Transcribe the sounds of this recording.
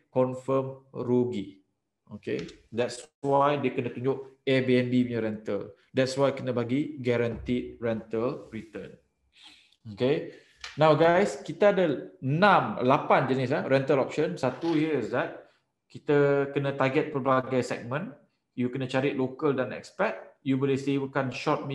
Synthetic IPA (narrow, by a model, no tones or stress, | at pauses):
kɔnfəmɾuɡi | okḛdɛtswajdiəkənə̃t̪uɲd͡ʒʊʔɛbiɛnbiəɲə̃ɾɛnt̪əl | dɛt̚swajkənə̃baɡiɡɛɾant̪it̚rɛnt̪əlrit̪ən | oke | nãwɡajskit̪əadəənãmlapand͡ʒənɪs̬lahɾɛnt̪əlɔp̚ʃənsat̪uhiəisdat̪̚ | kit̪əkənə̃t̪aɡɛt̪̚pərbaɡajsɛ̰k̚mə̃n | jukənə̃t͡ʃaɾiʔ̪̚lokəldanɛ̰kspɛt̚jubolehsebəkanʃɔt̪̚mĩ